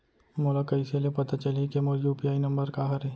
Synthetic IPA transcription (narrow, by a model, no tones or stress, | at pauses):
moːlakɐɪselepɐt̪at͡ʃɐlikemoːljuːpijaːinɐ̃mbəɾkaːɦəɾɦɛː